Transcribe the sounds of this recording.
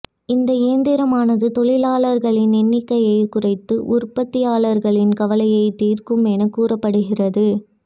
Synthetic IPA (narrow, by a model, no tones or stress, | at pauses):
ɪnd̪ɐeːnd̪ɪɾɐmaːnɐðɯt̪ɔɭɪlaːɭɐɾɣɐɭɪnɛnːɪkːɐjɐɪkʊrɐɪt̪ːɯʔʊrpɐt̪ːɪjaːlɐɾɣɐɭɪnkɐʋɐlɐjɐɪt̪iːrkɯmɛnɐkːuːrɐpːɐɽɯɣɪrɐðɯ